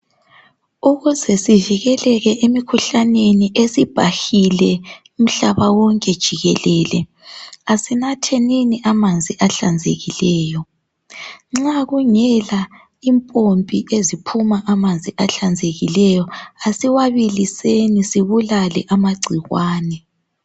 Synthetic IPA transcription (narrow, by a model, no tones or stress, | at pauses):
uɣuzɛsiviɣɛlɛɣɛʔemikʰuɬaneniʔesib̥ʱaxilɛ | um̩ɬaβawɔŋkʼɛd̥ʒ̥ʱiɣɛlɛːlɛ | asinatʰeniniʔamand͡zʱiʔaɬand͡zʱḛɣilɛːjɔ | ŋ͡ǁaɣuŋɛla | impʼompʼiʔezipʰumaʔamand͡zʱiaɬand͡zʱeɣilɛjɔasiwaβilisenisiβulalɛʔamaɡ͡ǀʱiɣwaːnɛ